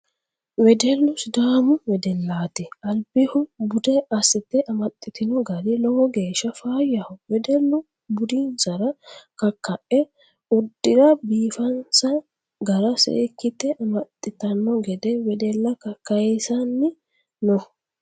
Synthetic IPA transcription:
wɛd̪ɛlːʊsd̪aːmʊwɛd̪ɛlːaːt̪ɪʔɐlbɪhʊbʊd̪ɛɐsɪt̪ːɛʔɐmɐt̪ʼːɪt̪ɪnɔɡɐlɪlɔwɔɡe̞ːʃːɐfaːjːɐhʊwɛd̪ɛlːʊ | bʊd̪insɐɾɐkɐkːɐʔɛ | ʊd̪ːɪɾɐbiːfɐnsɐ | ɡɐɾɐsḛːkːɪt̪ːɛʔɐmɐt̪ʼːɪt̪ɐnːɔɡɛd̪ɛwɛd̪ɛlːɐkɐkːɐjɛsɐnːɪ | nɔ

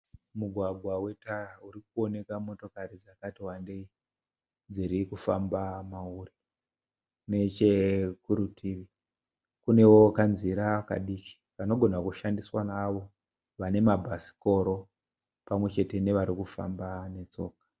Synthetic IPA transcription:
muɡʱwaɡʱwawe̞tarauɾik̚uo̞ne̞kamo̞to̞kaɾid͡zakatiwandei | d͡ziɾikufambamauri | ne̞t͡ʃekuɾutʰiʋi | kune̞wo̞kanziɾaka̰ɗiːki̥ʋano̞ɡʱo̞nakuʃandiswanaʋo̞ | ʋane̞mabʱasi̥ko̞ɾo̞ | pamwe̞t͡ʃe̞te̞ne̞ʋaɾikufa̰mbane̞t͡so̞̰ːkḁ

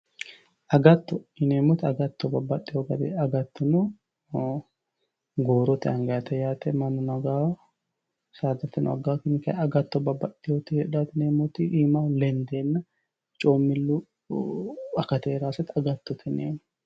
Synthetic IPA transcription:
ʔɐɡɐt̪ːɔɪneːmɔt̪ɐɡɐt̪ːɔbɐbːɐɗːɪjoɡɐd̪ḛɐɡɐt̪ːɔnʊ | ɡoːɾɔt̪ɪɐŋɡɐjɐt̪ɛjaːt̪ɛmɐnʊnɐɡaːw | saːd̪ɐt̪ːɪn̰ɐ̰ɡaːkɪnɪkɐɐɡɐt̪ːɔbɐbːɐᶑɪjot̪ɪhɛᶑaːt̪ɪneːmʊt̪ɪʔiːmalɛnd̪eːnːɐ | t͡ʃʼoːmːɪlːu | ɐkːɐt̪ɛːɾaːsɐt̪ɐɡɐt̪ːɔt̪nḛːm

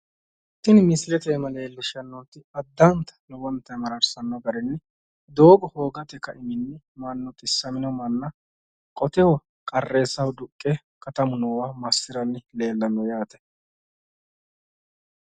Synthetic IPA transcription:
t̪ːɪnmɪslɛt̪eːmɐle̞ːlːɪʃɐnːɔt̪ːɪɐd̪ːɐnt̪ɐ̥lɔwɔnt̪ːɐjmɐɾɐɾsɐnːɔɡɐɾɛnːɪ | d̪oːbɔho̞ːɡɐt̪ɛkːɐʔɪmɪnːɪ | mɐnːɔt̪ʼɪsːɐmɪnɔmɐnːɐ | kʼɔt̪ɛwɔ | kʼɐrːe̞ːsːɐwd̪ʊkʼːɛ | kɐt̪ɐmʊnɔwamɐsːɪɾɐnːɪle̞ːlːɐnːɔjaːt̪ɛ̥

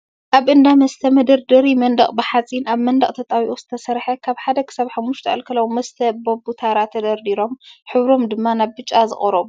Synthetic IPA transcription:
ʔaβʔɨnd̪amɐst̪ʰɐmɐd̪ɐɾd̪ɨɾimɐnd̪ɐχʼbɨħat͡sʼinaβmɐnd̪ɐχʼt̪ʰɐt̪ʼawiʔo̞z̥ɨt̪ʰɐsɐɾħɐkʰaβħad̪ɐkʰɨ̥saβħamːuʃt̪ʰɐʔɐlkʰɐlawmɐst̪ʰɐbɐbut̪ʰaɾat̪ʰːɐd̪ɐɾd̪iɾo̞mħɨβɾo̞md̪ɨmːanaβbɨt͡ʃʼːazɨ̰χʼɾo̞m

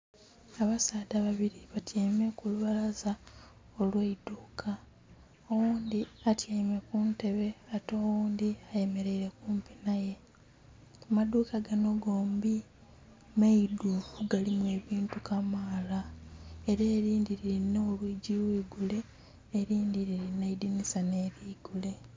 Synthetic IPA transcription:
aβasaːdaβaβiɾiβatʰjeːme̞kuluβalaza | o̞lweiduːkʰa | owuːnd̪iatjeːme̞kunte̞βe̞ato̞ːwuːndiaje̞me̞ɾe̞iɾe̞kuːmpi̥naje̞ | maduːkaɡano̞ɡoːmbi | meidukuɡalimue̞ːβiːntukamaːlaeɾeːɾiːndiɾiɾinːeolwiɟiwiːɡule̞ː | ɾiːndiɾiɾinːeidinisane̞ɾiːɡule̞

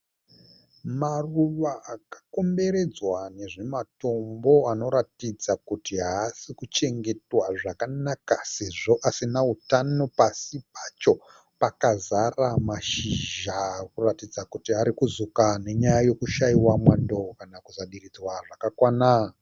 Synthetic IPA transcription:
maruʋaːkḁko̞mbe̞ɾe̞d͡zwane̞ʐe̞mato̞mbo̞ano̞ɾatid͡zakutiɦaːsikut͡ʃe̞ŋɡe̞twaʐakanakase̞ʐo̞ʔasinautano̞pasipat͡ʃo̞ | pakazaramaʃiʒakuratid͡zakutiaɾikuzukane̞ɲajajo̞kuʃaiwamwandokanakuzaɗirid͡zwaʐakakwana

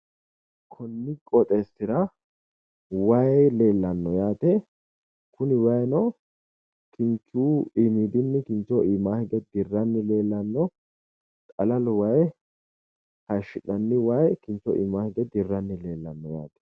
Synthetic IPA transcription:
kʰɔnːɪkʼɔt̪ʼɛsɪɾɐ | wɐjleːlːɐnːɔjaːt̪ɛ | kʊnɪwɐjnɔ | kɪnt͡ʃːuːɪmid̪ɪnːɪkɪnt͡ʃːɔɪmaːhɪɡ̪ɛd̪ɪrːɐnːɪleːlːɐnːɔ | t̪ʼɐlɐlwɐj | hɐʃːɪᶑɐnːɪwɐjkɪnt͡ʃːɔ̰ʔɪ̰maːhɪɡ̪ɛd̪ɪrːɐnːɪle̞ːlːɐnːɔja̰ːt̪ɛ̥

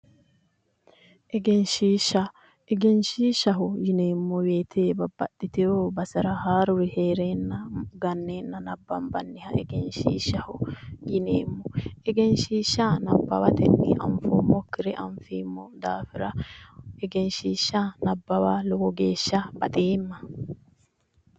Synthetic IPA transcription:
ʔɛɡɛnʃiːʃɐ | ɛɡɛnʃiːʃɐɦʊjɪneːmːɔwe̞ːt̪ʰeːbɐbːɐɗɪt̪ɛoːbɐsɐɾɐhaːɾʊɾɪheːɾeːnːɐɡɐnːeːnːɐnɐbːɐmbɐnːɪhɐʔɛɡɛnʃḭːʃɐhʊjɪnḛːmːɔɛɡɛnʃiːʃːanɐbːɐ̰wɐt̪ɛnːɪ̰ʔɐ̰mfo̰ːmɔkːɪɾɛʔɐɱfiːmːɔd̪aːfɪɾɐɛɡɛnʃiːʃːɐnɐbːɐwaːlɔɡɔɡeːʃːɐb̥ɐt̪ʼeːmːɐ

